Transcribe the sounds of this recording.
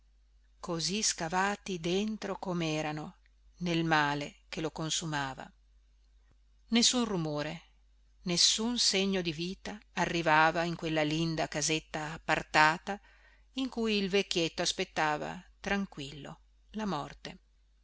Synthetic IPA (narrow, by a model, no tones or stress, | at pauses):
koziskavaːt̪id̪ent̪ɾokomeɛːɾano | nelmaːlek̟elokonsumaːva̰ | nesːunrumoːɾe | nesːunseɲːod̪iviːt̪aːrːivaːvaiŋkwelːalind̪akazet̪ːaːpːart̪aːt̪a | iŋkujilvekʲːjet̪ːoaspet̪ːaːva̰t̪ɾaŋkwilːo̰ | lamɔrt̪e